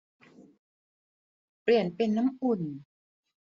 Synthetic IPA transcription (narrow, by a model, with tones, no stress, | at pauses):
pli˨˩ənpe˧nːa˦˥mʔu˨˩n